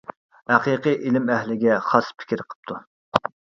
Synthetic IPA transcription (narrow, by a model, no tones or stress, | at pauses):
hæqiqɨjʔilɪmɛɦlɪɡʲɛχɑspʰɪ̥kʲiɾqʰə̥p̚t̪ʰu